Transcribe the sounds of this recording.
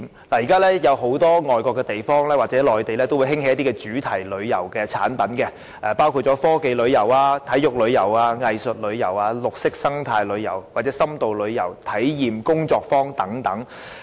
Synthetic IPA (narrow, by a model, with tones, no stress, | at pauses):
laː˨˩ji˨kaː˥lɛː˥jɐ˨˧wɦo˨˥wt̪ɔː˥ŋɔː˨jkʷɔː˧kːɛ˧t̪e˨jfɔː˥ŋlɛː˥waː˨t̚t͡sɛː˨˥lɔː˨jt̪e˨jlɛː˥t̪o˥wu˧jhɪ˥ŋhe˨˦jɐ˥t̪̬iː˥kɛː˧t͡ʃyː˨˥t̪ʰɐ˨˩jlɵ˨˧ɥjɐ̰˨˩wkɛː˧t͡sʰa̰ː˨˥npɐ˨˥nkɛ˧ | ɛː˨˧paː˥wkʰu˧t̚t͡ʃɔː˨˥fɔː˥ke˨˧jlɵ˨˧ɥjɐ˨˩waː˧t̪ʰɐ˨˥jʊ˨k̚lɵ˨˧ɥjɐ˨˩waː˧ŋɐ˨jsɵ˨t̚lɵ˨˧ɥjɐ˨˩waː˧lʊ˨k̚sɪ˥k̚sɐ˥ŋt̪ʰaː˧jlɵ˨˧ɥjɐ̰˨˩wwaː˨t̚t͡sɛ˨˥sɐ˥mt̪o˨wlɵ˨˧ɥjɐ˨˩wt̪ʰɐ˨˥jjiː˨˩mkʊ˥ŋt͡sɔː˧k̚fɔː˥ŋt̪ɐ˨˥ŋt̪ɐ˨˥ŋ